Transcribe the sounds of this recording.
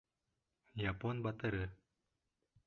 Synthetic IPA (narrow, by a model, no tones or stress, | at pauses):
japonbɑt̪ɤɾɤ